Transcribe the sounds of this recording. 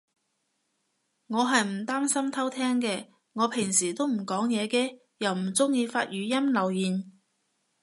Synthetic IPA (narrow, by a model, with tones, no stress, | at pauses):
ŋɔː˨˧ɦɐ˨jm̩˨˩t̪aː˥msɐ˥mt̪ʰɐ˥wt̪ʰɛː˥ŋkɛː˧ | ŋɔː˨˧pʰɪ˨˩ŋsiː˨˩t̪o˥wm̩˨˩kɔː˨˥ŋjɛː˨˧kɛː˧ | jɐ˨˩wm̩˨˩t͡sʊ˥ŋjiː˧faː˧t̚jyː˨˧jɐ˥mlɐ˨˩wjiː˨˩n